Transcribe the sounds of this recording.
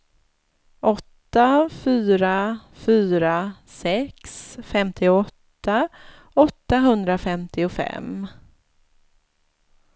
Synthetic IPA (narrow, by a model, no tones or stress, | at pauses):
ʔɔt̪ːafyːɾafyːɾasɛksfɛmt̪ʰɪɔt̪ːa | ɔt̪ːaɦɵnd̪ɾafɛmt̪ʰɪʊfɛ̰m